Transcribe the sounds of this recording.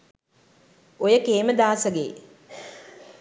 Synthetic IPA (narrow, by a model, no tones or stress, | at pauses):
ojəkeːməd̪aːsəɡḛː